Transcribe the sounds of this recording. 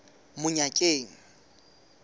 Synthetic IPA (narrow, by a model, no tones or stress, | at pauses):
mʊɲakʼeːŋ̩